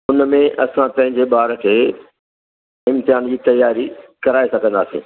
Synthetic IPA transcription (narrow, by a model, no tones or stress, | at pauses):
ʊnmẽʔɐsãpɐ̃ɦɪ̃ɲd͡ʑeɓaːɾkʰeː | ɪ̃mt̪ɪjaːnd͡ʑiːt̪ɐjaːɾikɐɾaːesɐɡʱə̃nd̪aːsḭ̃ː